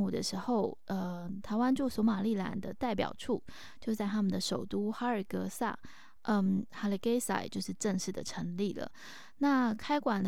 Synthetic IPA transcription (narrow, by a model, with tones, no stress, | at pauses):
u˨˩d̪ə˦ʂɻ̩˧˥xo˥˧ʊʔə˧˩t̪ʰa˧˥ɪwa˥nʈ͡ʂwu˥˩swɔ˧˥ma˨˩li˥˩la̰˨˩nd̪ə˧t̪a˥˩ɪp̬jɑ̰˨˩ʊʈ͡ʂʰu˥˩ | t͡ɕjo˥˧ʊt͡sa˥˩ɪt̪ʰa˥mə˨nd̪ə˨ʂo˨˩ʊt̪u˥xa˥ə˞˨˩kɤ˧˥sa̰˥˩ | ʔə˥˩xa˧˥li˨˩ke˥ɪsa̰˧˩ɪt͡ɕjo˥˧ʊʂɻ̩˥˧ʈ͡ʂə˥˧ŋʂɻ̩˥˩d̪ə̰˩ʈ͡ʂʰɤ˧˥ŋli˥˩lə̰˩ | na˥˩kʰa˥ɪkwa˨˩n